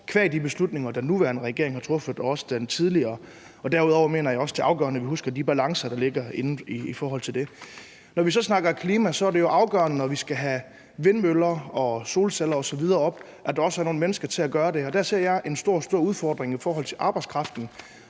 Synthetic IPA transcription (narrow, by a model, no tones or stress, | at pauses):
kʰʋæɐid̥ib̥e̝slud̥̚ne̝ŋɐd̥ænːuʋæɐnəʁɛɡ̥e̝ɐ̰eŋhɑ̈t͡sʰʁɔ̽fð̩ˠɒ̽sə̥d̥ent͡sʰið̞ˠliɐː | ɒ̽d̥æɐuðˠɒʊɐme̝̰ːnɐjɑ̈ɒ̽sd̥ʰe̝ʔɑ̈ʊɡ̥ɶ̰ɐnəʋiɦusɡ̥ɐd̥ib̥ælɑ̈ŋsɐd̥ɑ̈le̝ɡɐe̝nn̩ifɒːɦɒ̽l̰t͡sʰe̝ld̥e̝ | nɒʋis̬ɒ̽snɑ̈ɡ̥ɐkʰliːmæsɒ̽æɐde̝jo̝ʔɑ̈ʊɡ̥ɶɐnənɒʋisɡ̥æɦæ | ʋe̝nmølɐɒ̽so̝ːlselɐɒ̽sɒ̽ʋið̞ˠɐːɒ̽b̥ | ʔæd̥ɑ̈ɒ̽sæɐno̝ːn̩menəsɡ̥ɐt͡sʰe̝æɡ̥ɶːɐde̝ɒ̽d̥æɐse̝ɐ̰jɑɪʔe̝nsd̥o̝ɐ̰sd̥o̝ɐ̰uð̞ˠfɒːd̥ʁeŋifɒːɦɒ̽l̰t͡sʰe̝lʔɑ̈ːb̥ɑ̈ɪdskʰʁɑ̈fd̥n̩